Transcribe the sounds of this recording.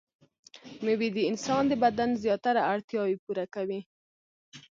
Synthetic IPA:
məwid̪əɪnsɑnd̪əbad̪anzjɑt̪aɾaaɽt̪jɑwipuɾakawi

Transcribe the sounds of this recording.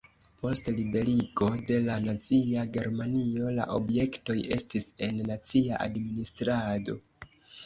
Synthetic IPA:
po̞stlibe̞ɾiɡo̞de̞lanat͡siaɡe̞ɾmanio̞la̰ʔo̞bje̞kto̞je̞̰stise̞nːat͡siaʔa̰dministɾado̞̰

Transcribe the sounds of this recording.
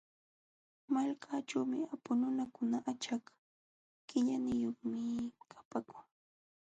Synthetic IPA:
malkʰat͡ʃaːmɪ̰apʊnʊnakʊnaʔat͡ʃak | kɪʎanɪjoχmɪkʰḁpakʊŋ

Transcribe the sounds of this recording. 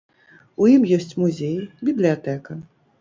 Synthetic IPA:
ujimjɔsʲt͡sʲmuzʲejbʲiblʲijat̪ɛkɐ

